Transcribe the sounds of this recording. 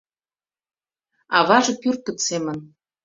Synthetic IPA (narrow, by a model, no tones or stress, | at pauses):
ɑβɑʒɤ̆pyrt̪̚kə̆t̪semə̆n